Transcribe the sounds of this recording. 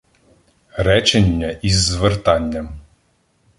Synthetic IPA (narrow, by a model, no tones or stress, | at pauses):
ɾɛt͡ʃenʲːɐʔizːʋert̪ɑnʲːɐm